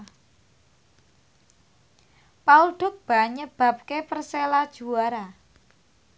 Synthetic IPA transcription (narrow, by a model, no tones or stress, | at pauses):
pauɖ̥ʊ̤k̚b̥a̤ɲəb̥a̤p̚kepərselad̥ʒ̥ṳwaɾa